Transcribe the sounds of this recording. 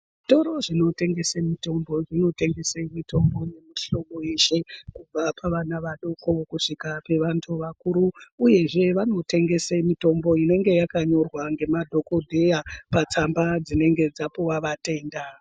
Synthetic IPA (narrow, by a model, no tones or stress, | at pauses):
ʐito̞ɾo̞ʐino̞te̞ŋɡe̞semito̞mbo̞ʐino̞te̞ŋɡe̞seimito̞mbo̞je̞miɬo̞ko̞e̞ʃe̞kub͡vapʰaʋanaʋaɗoko̞kuʂikape̞ʋantʰuʋakuɾuːje̞ʐe̞ʋano̞te̞ŋɡe̞semito̞mbo̞ine̞ŋɡe̞jakaɲo̞rwaŋɡe̞madʱo̞ko̞dʱe̞japat͡sambad͡zine̞ŋɡe̞d͡zapoʋaʋate̞ːnda